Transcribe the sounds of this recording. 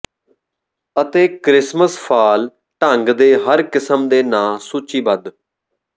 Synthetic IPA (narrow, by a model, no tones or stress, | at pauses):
ət̪eːkɾɪsməspʰaːl | ʈəŋɡd̪eːɦəɾkɪsəmd̪eːnãːsuːt͡ʃiːbəd̪